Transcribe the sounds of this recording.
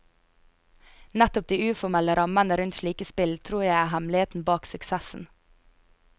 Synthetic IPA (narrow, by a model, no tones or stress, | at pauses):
næt̪ʊp̚d̪iːʉːfɔmɛləɾɑmənəɾʉnt̪ʃliːkəspɪlt̪ʰɾuːɾjæɪæːɦæmlɪheːt̪n̩bɑːksʉksɛsn̩